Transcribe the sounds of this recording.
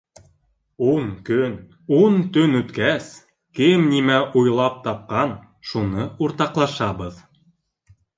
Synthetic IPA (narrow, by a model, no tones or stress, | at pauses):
unkɵn | unt̪ɵnʉt̪kæs | kɘmnimæʔujlˠɑp̚t̪ɑp̚qɑn | ʃunɤʔuɾt̪ɑqlˠɑʃɑbɤð